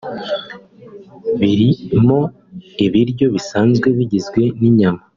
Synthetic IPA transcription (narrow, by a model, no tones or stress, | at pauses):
βiɾimo̞ | iβiɾɟo̞βisaːnzɡwe̞βiɟizɡwe̞niɲama